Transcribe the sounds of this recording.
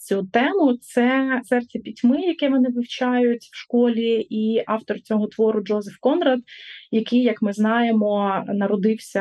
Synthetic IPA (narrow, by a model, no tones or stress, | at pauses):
t͡sʲut̪ɛmʊt̪sɛsɛrt͡sʲɐpʲitʲmɪjɐkɛʋɔnɪʋɪwt͡ʃɑjʊtʲwʃkɔlʲiiɑwt̪ɔrt͡sʲɔɦɔt̪ʋɔɾʊd͡ʒɔzɛfkɔnɾɐd̪jɐkɪjjːɐkmɪznɑjemɔnɐɾɔd̪ɪwsʲɐ